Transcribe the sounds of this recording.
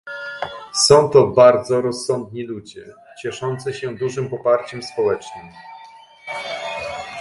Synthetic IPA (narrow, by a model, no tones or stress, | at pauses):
sɔ̃w̃t̪ɔbaɾd̪zɔɾɔsːɔnd̪ɲilud͡ʑɛ | t͡ɕɛʂɔnt̪sɘɕɛ̃d̪uʐɘmpɔpaɾt͡ɕɛmspɔwɛt͡ʂnɘm